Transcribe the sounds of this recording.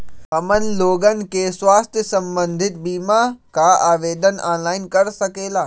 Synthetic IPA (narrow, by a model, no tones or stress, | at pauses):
ɦɐmən̆loːɡənɪ̆keːswaːst̪ʰsɐ̃mbə̃nd̪ʱɪt̪̚biːmakʰaaːʋeːd̪ənaːnlaːɪnkɐɾsɐkeːlaː